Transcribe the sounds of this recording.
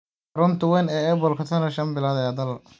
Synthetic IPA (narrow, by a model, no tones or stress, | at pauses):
ɾʊnt̪ʰʊwɛnɛːɛːbɔlkʰɐt̪ʰɐnɐʃɐmbɪlaːðɐjad̪ɐl